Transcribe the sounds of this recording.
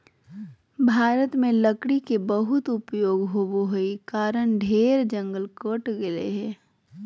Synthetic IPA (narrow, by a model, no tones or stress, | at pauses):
bʱaːɾət̪mẽləkɽikebəɦʊt̪ʊpjoːɡɦoboɦoikaːɾəɳɖʱeːɾd͡ʒə̃ŋɡəlkəʈɡelḛɦɛː